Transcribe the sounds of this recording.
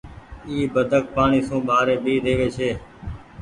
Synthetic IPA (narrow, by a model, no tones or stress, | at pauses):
iːbəd̪ʱək̚paːɳiːsũːɓaːɾeːɓiːd̪eːʋeːt͡ʃʰeː